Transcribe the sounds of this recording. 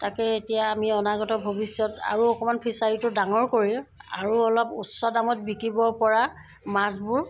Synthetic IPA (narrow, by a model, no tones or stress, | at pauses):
takɛetijaːmiɔnaɡɔtɔbʱobisjɔta̰ɹuɔkɔmanpʰisaɹitʊdaŋɔɹkoɹia̰ɹuɔlɔpusɔdamɔt̚bikibɔɹpɔɹa | masbuɹ